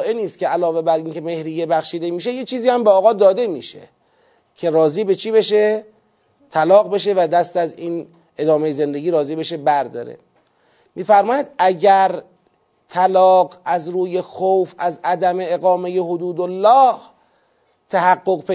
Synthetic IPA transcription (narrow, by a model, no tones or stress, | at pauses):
ʔeniːst̪̚cʰʲeælɒːve̞bæɾʔiːnkʰe̞me̞hɾiːjebæxʃiːd̪e̞miːʃe̞jet͡ʃʰiːziːhæmbeɒːɣɒːd̪ɒːd̪e̞mḭːʃḛ | cʰe̞ɾɒːziːbe̞t͡ʃʰiːbe̞ʃe | t̪ʰælɒːɣbe̞ʃ̬e̞væd̪æst̪æziːn | e̞d̪ɒːmejeze̞nd̪e̞ɡiːɾɒːziːbe̞ʃe̞bæɾd̪ɒ̰ːɾḛ | miːfæɾmɒːjæd̪æɟæɾ | t̪ʰælɒːɡæzɾuːje̞xowfæzæd̪æme̞eɣɒːme̞je̞hod̪uːd̪olːɒːh | t̪ʰæhæɡːoɣpʰe